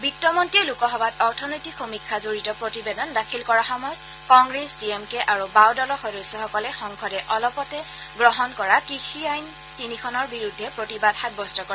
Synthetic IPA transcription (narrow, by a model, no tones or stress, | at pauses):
bik̚tɔmɔntiɛlukɔɦɔbatɔɹtʰɔnojtixomikʰːazoɹitɔpɹotibɛdɔndakʰilkɔɹaxɔmɔjɔt̚ | kɔŋɡɹesdiemkɛʔaɹubawdɔlɔxɔdosɔxɔkɔlɛxɔŋkʰɔdɛʔɔlɔpɔtɛ | ɡɹɔɦɔnkɔɹakixʰiajn | tinikʰɔnɔɹbiɹudʱːɛpɹotibadhat̚bɔstɔkɔa